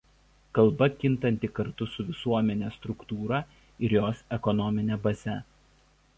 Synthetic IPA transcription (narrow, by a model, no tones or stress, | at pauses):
kɐlˠˑbɐkʲɪnˑt̪ɐnʲt̪ʲɪkɐɾt̪ʊsʊʋʲɪsuɔmʲɛnʲeːst̪ɾʊkt̪uːɾɐ | ɪɾjoːsɛkɔnɔmʲɪnʲɛbɐzʲɛ